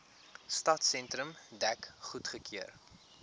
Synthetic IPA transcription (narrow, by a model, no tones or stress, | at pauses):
stɐtsɛntrəmdækχutχəkʰiər